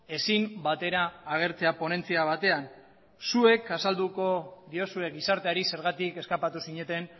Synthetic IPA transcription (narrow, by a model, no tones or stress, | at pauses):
e̞simbat̪e̞ɾaːɣ̞e̞ɾt͡se̞apo̞ne̞nt͡siaβ̞at̪e̞an | sue̞kasald̪uko̞ðio̞sue̞ɡisaɾt̪e̞aɾise̞ɾɣat̪ike̞skapat̪usiɲe̞t̪e̞n